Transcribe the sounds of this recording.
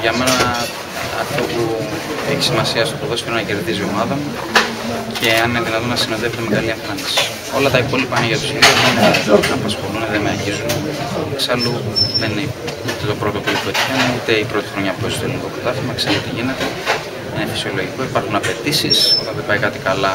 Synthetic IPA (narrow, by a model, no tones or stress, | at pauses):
ʝɐme̞nɐ | ɐft̪opu | eçi̥simɐsiɐst̪opɾoðoseɾonɐce̞ɾðizio̞mɐðɐmu | cʰe̞ɐnineðinɐt̪onɐsino̞ðevunemeɣɐlieɱfɐnisi̥ | o̞lɐt̪ɐipo̞lipɐineʝɐt̪o̞sçe̞ðioðineɐpɐsxo̞luneðemeɐʝizuneksɐluðenineut̪e̞t̪o̞pɾo̞t̪o̞pulipoet̪ikɐneut̪e̞ipɾo̞t̪i̥xɾo̞ɲɐpueçst̪ot̪eliniko̞kɐt̪ɐθimɐksɐlut̪iʝine̞t̪e̞ | nefi̥sio̞lo̞ʝiko̞ipɐɾxunɐpe̞t̪isisot̪ɐnðe̞bɐikɐt̪ikɐlɐ